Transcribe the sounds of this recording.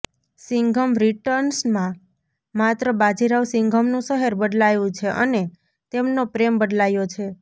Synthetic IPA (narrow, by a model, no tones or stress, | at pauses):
sɪŋɡʱəmɾiʈəɾnsmã | mat̪ɾəbad͡ʒiɾaʋsɪ̃ŋɡʱəmnũsəɦeɾbəɖlajũt͡ʃʰeʔəne | t̪emnopɾembəɖlajot͡ʃʰe